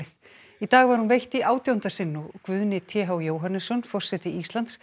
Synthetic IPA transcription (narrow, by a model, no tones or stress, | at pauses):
ɪ | it̪aːɣvaɾ̥hunvejht̪iʔaːwt̪jawnt̪asɪnːʊkvʏðnɪt̪ʰjɛːɦawjoːwɦanːʏsɔnfɔr̥sɛt̪ɪist̪lant̪s